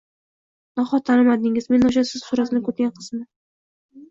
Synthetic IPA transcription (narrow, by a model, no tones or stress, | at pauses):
nɒχɒt̪ʰanɪmad̪ɪŋɪzme̞nʊʃ̬asɪz̥sʊɾasɪnɪkʰɵt̪̚ɡʲanqʰɨ̥smɪ